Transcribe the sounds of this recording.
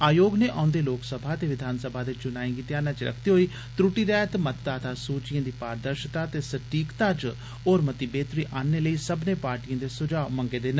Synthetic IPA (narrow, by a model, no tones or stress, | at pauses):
aːjoːɡneːʔã̰ːʊnd̪eːloːksəbʱaːət̪eːʋɪd̪ʱaːnsəbʱaːd̪eːt͡ʃʊnaːĩːɡiːt̪ɪjaːnãːt͡ʃeɾə̰kʰt̪eːɦoːiː | t̪ɾʊʈiːɾɛːt̪mət̪d̪aːt̪ʰaːsuːt͡ʃɪjãːd̪iːpaːɾd̪əɾʃt̪aːt̪eːsəʈiːkt̪aːt͡ʃ | oːɾmət̪iːbeːt̪ɾiːʔaːnːeːləiːsəbneːpaːɾʈijãːd̪eːsʊd͡ʒaːməŋɡeːd̪eːn